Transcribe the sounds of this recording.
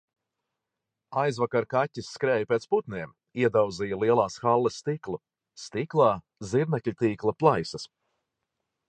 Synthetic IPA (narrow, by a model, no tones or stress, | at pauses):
ajzvakaɾkatʲːisːkɾɛːjpʲeːt̪sput̪nʲiɛm | iɛd̪awd̪zijalˠiɛlˠaːsxalˠːɛsːt̪iklˠu | st̪iklˠɑː | ziɾnɛklʲt̪iːklˠɐplˠajsɐs